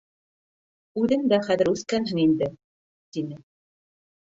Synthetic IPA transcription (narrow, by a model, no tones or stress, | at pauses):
ʉðɘŋd̪æχæðɘ̆ɾʉθkænɦɘŋind̪ɘ | t̪inɘ